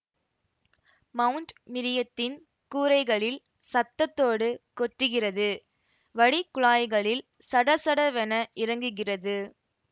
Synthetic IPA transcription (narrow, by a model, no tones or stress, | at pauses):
mɐwɯɳʈmɪɾɪjɐt̪ːɪn | kuːɾɐɪɣɐɭɪl | sɐt̪ːɐt̪ːoːɽɯkɔʈrɯɣɪrɐðɯ | ʋɐɽikːʊɭaːjɣɐɭɪl | sɐɽɐsɐɽɐʋɛnɐʔɪrɐŋɡɯɣɪrɐðɯ